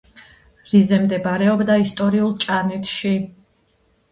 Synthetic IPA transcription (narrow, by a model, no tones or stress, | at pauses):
ɾizɛmd̪ɛbaɾɛɔbd̪aist̪ʼɔɾiulˠt͡ʃʼanɛt̪ʰʃi